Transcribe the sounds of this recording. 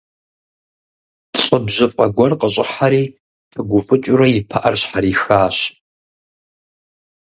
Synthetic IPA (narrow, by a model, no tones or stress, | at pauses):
ɬʼəbʑɨfʼɐɡʷɐrqəɕʼɪħaɾiː | tʰɨɡʷʊfʼɨt͡ʃʼʊɾɐjɪpʰaʔɐrɕħaɾiːxaːɕ